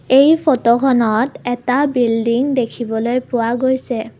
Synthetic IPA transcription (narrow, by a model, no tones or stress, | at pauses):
ejpʰɔtokʰɔnɔtɛtabildiŋdekʰibɔlojpʊwaɡojsɛ